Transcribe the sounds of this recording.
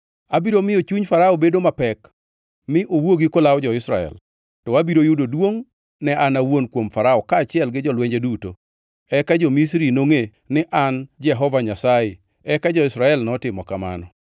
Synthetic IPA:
abiɾomɪot͡ʃuɲfaɾaɔbedomapɛk | mɪʔowoɡikolawd͡ʒɔɪsɾaɛ̰l | tɔabiɾojudodwoŋ | nɛanawonkwomfaɾaɔkaːt͡ʃɪɛlɡɪd͡ʒɔlweɲd͡ʒeduto | ɛkad͡ʒɔmis̬ɾinoŋe | nɪʔand͡ʒɛɦɔvaɲasajɪ | ɛkad͡ʒɔɪsɾaɛlnɔtɪmɔkama̰nɔ

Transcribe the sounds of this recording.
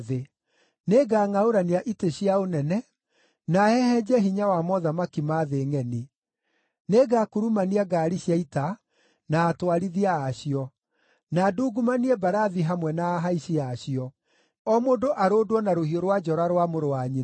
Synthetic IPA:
e | neːɡaːŋaoɾaniaʔiteɕiaonɛnɛ | naɛhɛd͡ʒɛɦiɲawamɔðamakimaðeːŋɛni | neɡakuɾumaniaɡaːɾiɕjaita | naːtwaɾiðiaːɕiɔ | naduːɡumaniɛbaɾaðiɦamwɛnaːɦaiɕiaɕjɔ | ɔmoːdoʔaɾoːdwɔnaɾohioɾwad͡ʒɔɾaɾwamoɾowaɲi

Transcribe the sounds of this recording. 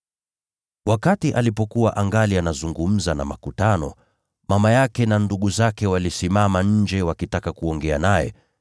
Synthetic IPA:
wakatiʔalipɔkuwaʔaŋɡalianazuŋɡum̩zana̰ma̰kutanɔ̰ | mamajakɛnanduɠuzakɛwalisimamaɲ̩d͡ʒɛwakitakakuɔŋɡɛa̰najɛ̰

